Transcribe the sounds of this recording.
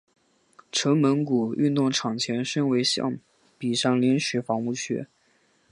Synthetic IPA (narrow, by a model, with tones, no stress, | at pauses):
ʈ͡ʂʰɤ˧˥ŋmə˧˥nku˨˩y˥˧nt̪ʊ˥˩ŋʈ͡ʂʰɑ˨˩ŋt͡ɕʰjɛ˧˥nʂə˥nwe˧˥ɪɕjɑ̰˥˩ŋ | pi˨˩ʂɑ˥˩ŋljɛ˧˥nɕɥɛ˧˥fɑ˧˥ŋu˥˩ɕɥɛ̰˧˥